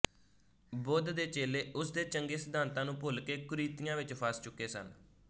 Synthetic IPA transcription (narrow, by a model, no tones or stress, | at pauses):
boːd̪d̪eːt͡ʃeːleːʊsd̪eːt͡ʃəŋɡeːsəd̪aːnt̪ãːnũːpoːlkeːkʊɾiːt̪ɪjãːʋɪt͡ʃpʰaːst͡ʃʊkːeːsə̰n